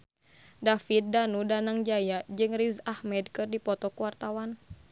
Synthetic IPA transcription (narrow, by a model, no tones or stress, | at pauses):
dafit̪̚danudanaŋd͡ʒajad͡ʒɨŋrizahmɛd̚kɨrdipɔt̪ɔkuwart̪awan